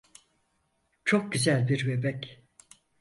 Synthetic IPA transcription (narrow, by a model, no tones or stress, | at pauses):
t͡ʃʰo̞k̚ɟyzælʲbiɾvebɛc